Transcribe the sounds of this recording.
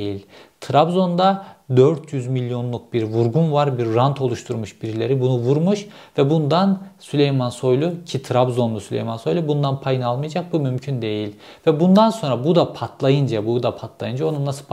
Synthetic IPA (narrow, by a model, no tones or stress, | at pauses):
jilʲt̪ʰɾabzo̞nd̪ad̪øɾt̪ʰjyzmilʲːjo̞nlˠuk̚biɾvuɾɡunvaɾbiɾːant̪ʰo̞lˠuʃt̪ʰuɾmuʃbiɾilʲeɾibunuvuɾmuʃ | vɛbund̪ansylʲejmanso̞jlˠucʰit̪ʰɾabzo̞nlˠusylʲḛjmanso̞jlʲˠubund̪anpʰajɯnalˠmɯjad͡ʒak̚bumymcʰynd̪e̞jilʲ | vɛbund̪anso̞nɾabud̪apʰat̪ʰlˠajɯnd͡ʒabud̪apʰat̪ʰlˠajɯnd͡ʒao̞nunasɯp